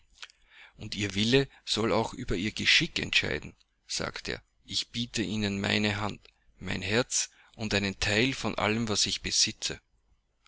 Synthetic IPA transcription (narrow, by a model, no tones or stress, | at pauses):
ʔʊntiːɐvɪləz̥ɔlaʊxʔyːbɐiːɐɡəʃɪkɛ̰ntʃa̰ɪdn̩ | z̥a̰ːktḛːɐ | ʔɪçb̥iːtʰəʔiːnənma̰ɪnəɦant | maɪnɦɛɐt͡s | ʔʊntæɪnəntʰaɪlfɔnʔa̰ləmvasɪçb̥əz̥ɪt͡sə